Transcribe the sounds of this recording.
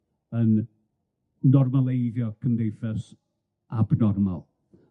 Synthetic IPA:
ən | nɔrmalˠejðjɔkʰəmdejfɛs | abnɔrma̰lˠ

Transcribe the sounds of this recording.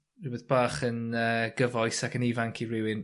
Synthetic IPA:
ibɛðb̥aːχənəːɡ̥əvɔjsakənivaŋkʰiɹɪwɪn

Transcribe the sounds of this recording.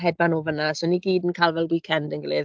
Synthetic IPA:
ɦɛd̚banoːvənasoniɡiːdənkʰaːlˠvɛlˠwiːkʰɛndənɡəlɪð

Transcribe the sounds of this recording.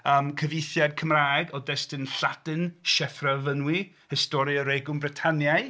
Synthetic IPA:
əmkʰəvɪjθjad̚kʰəmraːɛɡɔdɛstɨnɬad̥ɨnʃɛfravənwi | hɪstɔɾɨəɾejɡʊmbrɪtʰanjaj

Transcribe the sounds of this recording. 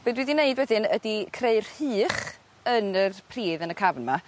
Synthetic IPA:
b̥oːdwiðineɨdwɛðɨnədikʰreɨrhɨːχ | ənərpʰriːðənəkʰavnma

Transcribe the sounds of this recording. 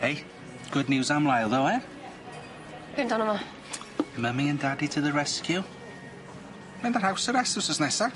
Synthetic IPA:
hej | ɡ̥ʊdⁿnjuːzamlˠajlˠðəwɛ | b̥ɪndɔnəma | məmɪə̃ndaditʰəðəɹɛskʰju | mɛnðəɾhawsəɾɛsəsəsnɛsa

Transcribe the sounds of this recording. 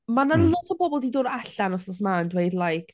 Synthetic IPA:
manalˠɔtʰɔbɔbɔlˠdidʊːɾaɬanɔsɔs̬mandweɨdlˠajkʰ

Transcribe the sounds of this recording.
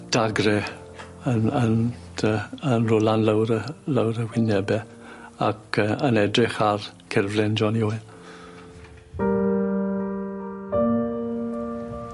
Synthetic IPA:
d̥aɡrɛ | ənənʰ | əənrʊlˠanləwɾələwɾəwɪnɛbɛ | akʰəənɛdrɪχar | kʰɛrvlɪnd͡ʒɔnjoːɨ

